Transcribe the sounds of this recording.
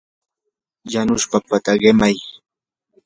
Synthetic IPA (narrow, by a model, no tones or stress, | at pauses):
janʊʃpapat̪aɢɪmaj